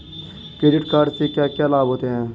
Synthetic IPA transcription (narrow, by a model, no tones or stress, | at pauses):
kɾeːɖɪʈkaːɾɖsekjaːkjaːlaːbɦoːt̪eɦɛ̃ː